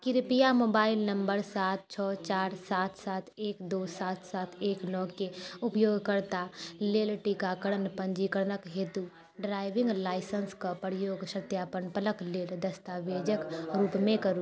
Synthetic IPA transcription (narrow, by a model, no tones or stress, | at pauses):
kɪɾpijamoːbaːɪlnə̃mbəɾsaːt̪̚t͡ʃʰɔːt͡ʃaːɾsaːt̪ʰsaːt̪ʰeːkd̪oːsaːt̪ʰsaːt̪ʰeːknɔːkeʊpjoːɡkəɾt̪aleːlʈikakəɽənpə̃ɲd͡ʒikəɾnəkɦeːt̪u | ɖɾaːɪʋɪ̃ŋɡlaːɪsənskapɾjoːɡʃət̪jaːpənpələkleːld̪ɐst̪aːʋeːd͡ʒəkɾuːpmẽkɐɾuː